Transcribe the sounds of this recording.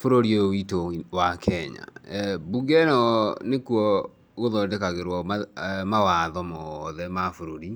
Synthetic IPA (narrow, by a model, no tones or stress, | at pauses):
foɾoɾiowitowakʰɛɲa̰buɡɛnɔnekuɔ | ɣoðɔːdɛkaɣeɾwɔamawaðɔmɔðɛmafoɾoɾi